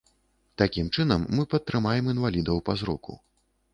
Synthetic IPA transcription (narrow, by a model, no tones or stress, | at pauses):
t̪akʲimt͡ʂɨnɐmːɨpɐt̪ːɾɨmajɛmin̪valʲid̪ɐwpazɾɔkṵ